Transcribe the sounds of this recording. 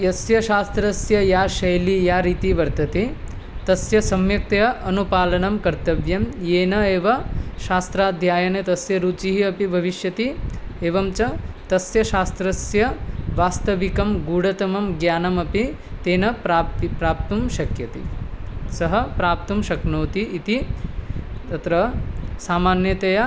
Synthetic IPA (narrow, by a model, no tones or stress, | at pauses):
jɐsjɐʃaːst̪ɾɐsjɐjaːʃɐjlijaːɾiːt̪iʋɐɾt̪ɐt̪i | t̪ɐsjɐsɐmjɐk̚t̪ɐjɐʔɐnupaːlɐnɐmkɐɾt̪ɐʋjɐmjeːnɐeːʋɐʃaːst̪ɾaːd̪ʱjaːjɐnet̪ɐsjɐɾuːt͡ʃiɦiɐpibʱɐʋiʃjɐt̪ieːʋɐmt͡ʃɐt̪ɐsjɐʃaːst̪ɾɐsjɐʋaːst̪ɐʋikɐmɡuːɽɐt̪ɐmɐmɡjaːnɐmɐpi | t̪eːnɐpɾaːipɾaːp̚t̪umʃɐkjɐt̪ḭsɐɦɐpɾaːp̚t̪umʃɐknoːt̪iʔit̪i | t̪ɐt̪ɾɐsaːmaːnjɐt̪ɐjɐ